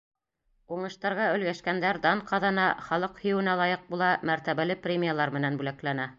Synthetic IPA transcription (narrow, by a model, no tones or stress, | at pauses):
uɴɤ̆ʃt̪ɑɾʁɑɵ̆lɡæʃkænd̪æɾd̪ɑnqʰɑðɑnɑχɑlˠɤqhɵ̆jɘ̆wɘ̆nælˠɑjɤq̚bulˠɑmæɾt̪æβælɘprʲemʲijalˠɑɾmɘ̆nænbʉlæklænæ